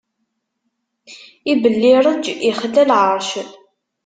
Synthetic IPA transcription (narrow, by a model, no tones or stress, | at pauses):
ibəlːiɾˤəd͡ʒiχlːælʕəɾˤʃ